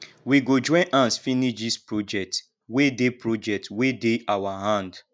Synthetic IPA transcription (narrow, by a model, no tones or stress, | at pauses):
wiɡod͡ʒɔ̃ʔãnsfiniʃdispɹod͡ʒɛk̚t | wedepɹod͡ʒɛk̚twedeawaɦãnd